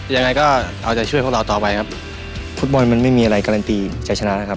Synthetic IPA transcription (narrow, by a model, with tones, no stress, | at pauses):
ja˧ŋa˧jkɔː˥˩ʔa˧wt͡ɕa˨˩t͡ɕʰu˥˩p̚ʰɾa˧t̪ɔː˨˩pa˧jkʰp̚ | fu˦˥t̪̚bɔ˧nma˧nma˥˩jmiː˧ʔa˧ɾa˧jkaː˧ɾa˧nt̪iː˧t͡ɕa˨˩t͡ɕʰa˧na˦˥la˦˥kʰa˦˥p̚